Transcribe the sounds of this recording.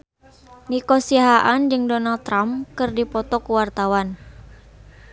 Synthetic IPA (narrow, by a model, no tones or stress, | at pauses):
nikɔsiaɦaʔand͡ʒɨŋdɔnalt̪ːɾamkɨrdipɔt̪ɔkuwart̪awan